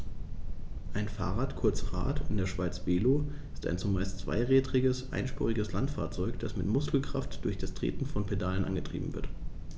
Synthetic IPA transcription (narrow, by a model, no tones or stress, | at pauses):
ʔaɪnfa̰ːʁaːtkʰʊɐt͡sʁa̰ːtʰɪndeːɐʃv̥aɪt͡sv̥eːloːʔɪstʔa̰ɪnt͡sumaɪst͡sv̥a̰ɪʁɛːdʁɪɡəsʔa̰ɪnʃpɔ̰ʁɪɡəslantfa̰ːɐt͡sɔʏkd̥asmɪtmʊskl̩kʁ̥aftd̥ʊɐçd̥astʁ̥ḛːtn̩fɔnpʰedaːlənʔa̰nɡətʁ̥ḭːbm̩vɪ̰ɐt